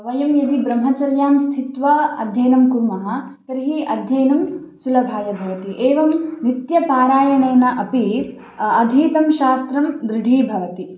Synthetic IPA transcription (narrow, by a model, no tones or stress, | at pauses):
ʋɐjɐmjɐd̪ibɾɐmɦɐt͡ʃɐɾjaːmst̪ʰit̪ʋɐɐ̰d̪ʱjɐːnɐmkuɾmɐɦɐ̆ | k̪ɐɾɦiɐd̪ʱjɐːnɐm | sulɐbʱaːjɐbʱɐʋɐt̪iʔeːʋɐmnit̪jɐpaːɾaːjɐɳeːnɐʔɐpiɾ | ɐd̪ʱiːt̪ɐmʃaːst̪ɾɐmd̪ɾɪɖʱiːbʱɐʋɐt̪i